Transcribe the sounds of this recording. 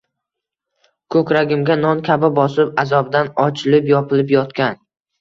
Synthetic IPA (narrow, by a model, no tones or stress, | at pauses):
kʰɵkʲɾaɡʲɪmɡʲanɒnkʲʰabɪbɒsɪpazɒbd̪anɒt͡ʃʰɪlɪpjɒpʰɪlɪpjɒt̪kʲan